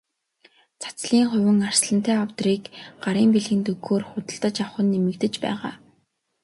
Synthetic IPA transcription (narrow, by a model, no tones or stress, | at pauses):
t͡sʰḁt͡sɮiːŋχʊ̟wʲɘ̆ŋar̥sɮə̆n̥t̪æːawt̪riːkɢaɾiːmpeɮɣɘ̆nt̪ɵɣoːrχʊt̪ə̆ɬt̪ə̆t͡ɕawχə̆nːemɘ̆kt̪ɘ̆t͡ɕpæ̰ːʁa̰ː